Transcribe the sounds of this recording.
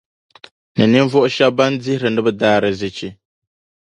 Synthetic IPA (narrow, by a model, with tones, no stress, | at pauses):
nɨ˨nɪ˦n˦vʊ˦ʔʊ˦ʃa˦ba˦ndɪ˦hɾɨ˨nɨ˦bɨ˦daː˦ɾɨ˨zɪ˨t͡ʃi˦